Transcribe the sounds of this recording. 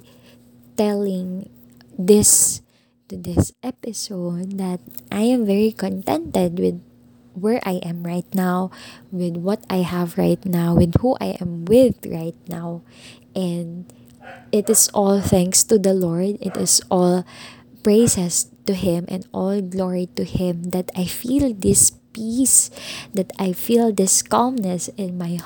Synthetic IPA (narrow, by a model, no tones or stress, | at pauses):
t̪ɛlɪ̃ŋ | d̪ɪs | t̪ʊd̪ɪsʔɛpɪsoʊd̪̚ːɐt̪̚ʔajɛ̃mvɛɹikɔ̃nt̪ɛ̃nt̪ɛd̪wɪd̪̚ | wɛɹʔajʔɛ̃mɹaɪt̪̚nawwɪd̪wʌt̪ajhævɹa̰ɪt̪nawwɪd̪̚huʔa̰jʔɛ̃mwɪðɹaɪt̪̚naw | ʔɛ̃nd̪ | ɪt̪ɪsʔɔlθæ̃ŋkst̪ud̪ɐlɔɹd̪ɪt̪ɪsʔɔlpɹeɪsɛst̪uɪ̃mʔɛ̰̃nʔɔlɡlɔɹit̪ʊhɪ̃md̪ɐt̪ajfild̪ɪspisd̪ɐt̪ajfilˠd̪ɪskɑmnɛsɪ̃nmaj